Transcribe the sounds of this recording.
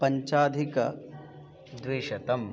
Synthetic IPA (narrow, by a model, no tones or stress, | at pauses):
pɐɲt͡ʃaːd̪ʱikɐ̰ | d̪ʋiːʃɐt̪ɐm